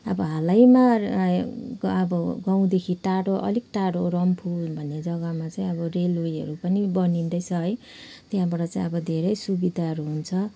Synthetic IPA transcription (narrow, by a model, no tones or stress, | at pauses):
ʌ̰bʌɦalajma | ʌbʌɡaw̃d̪ekʰiʈaɽoʔʌ̰likʈaɽoɾʌmpʰulbʱʌnːed͡zʌɡʌmat͡saĩʌbʌrelujɦʌ̰ɾupʌnibʌnind̪ʌjt͡sʰʌɦʌj | t̪jãbaʈʌt͡saĩʌbʌd̪ʱeɾʌjsubid̪ʱaɦʌɾuɦunt͡sʰʌ